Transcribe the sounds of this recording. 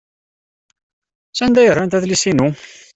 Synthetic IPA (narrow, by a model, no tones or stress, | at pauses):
sænd̪æjərːˤant̪æðlisinu